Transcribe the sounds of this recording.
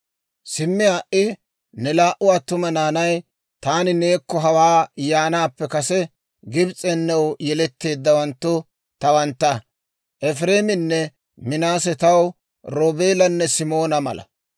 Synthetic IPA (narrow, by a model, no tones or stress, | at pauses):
sɪmːɪaːʔɪ | nɛlaːʔʊɐt̪ːʊmɐnaːnɐj | t̪aːnɪne̞ːkːɔɦɐwaːjaːnaːpːɛkɐsɛ | ɡɪbt͡sʼɛnːɛwjɛlɛt̪ːe̞ːd̪ːɐwɐnt̪ːʊ | t̪ɐwɐnt̪ːɐ | ʔɛfɾe̞ːmɪnːɛ | mɪnaːsɛt̪ɐw | ɾoːbe̞ːlɐnːɛsɪmo̞ːnɐmɐ̰lʔɐ̰